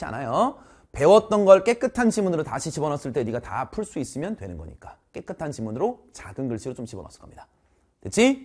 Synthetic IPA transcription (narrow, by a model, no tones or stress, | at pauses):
ia̰najo | pe̞wʌt̚t͈ʌnɡʌɭk͈e̞k͈ɯtʰant͡ɕimunɯɾotaɕʰit͡ɕibʌnʌs͈ɯɭt͈e̞ɾiɡata̰pʰuɭs͈uis͈ɯmjʌntwe̞nɯnɡʌ̰ɲḭk͈ḁk͈e̞k͈ɯtʰant͡ɕimunɯɾot͡ɕaɡɯnɡɯɭɕ͈iɾot͡ɕomt͡ɕibʌnʌ̰s͈ɯ̥ɭkʌmɲid̥a | tɯt͡ɕʰi